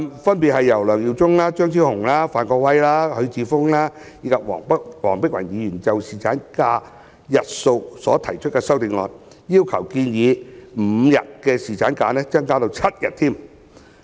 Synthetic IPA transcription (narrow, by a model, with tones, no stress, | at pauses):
mfɐ˥npi˨t̚hɐ˨jːɐ˨˩wlœː˨˩ŋji˨˧wt͡sʊ˥ŋlaː˥t͡ʃœː˥ŋt̪ʰiː˥whʊ˨˩ŋlaː˥faː˨nkɔː˧k̚wɐ˥jlaː˥hɵ˨˧ɥt͡siː˨˧fʊ˥ŋlaː˥ | jiː˧kʰɐ˨p̚wɔ̰ː˨˩ŋpk̚wɔː˨˩ŋpɪ˥k̚wɐ˨˩njiː˨˧jyː˨˩nt͡sɐ˨wsiː˨˩t͡sʰaː˨˥nkaː˧ | jɐ˨t̚so˧wsɔ̰ː˨˥t̪ʰɐ˨˩jt͡ʃʰɵ˥t̚kɛː˧sɐ˥wt̪ɪ˨˧ŋlɔ̰ː˨n | jiː˥wkʰɐ˨˩wkiː˧njiː˨˧m̩ː˨˧˨jɐ̰˨t̚kɛː˧siː˨t͡sʰaː˨˥nkaː˧nɛː˥t͡sɐ˥ŋkaː˥t̪o˧wt͡sʰɐ˥t̚jɐ̰˨t̚t̪ʰiː˥˩m